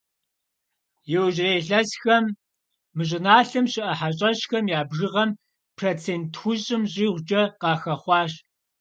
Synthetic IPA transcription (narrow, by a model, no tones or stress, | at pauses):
jɛwʑreːɬɐsxɐmː | ɨɕ̬ʼɪnaːɬɨmɕɪʔɐħaɕʼɐɕxɐmjaːbʒɨʁɐm | pʰroːt͡sʰeːntxʊɕʼɪmɕʼiːʁʷd͡ʒɐqɑːxɐχʷɑːɕ